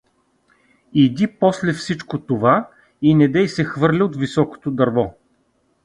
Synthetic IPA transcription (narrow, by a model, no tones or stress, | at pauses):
id̪ipɔslɛfsit͡ʃkot̪ova | inɛd̪ɛjsɛxvɤɾlʲiot̪visɔko̥t̪od̪ɐɾvɔ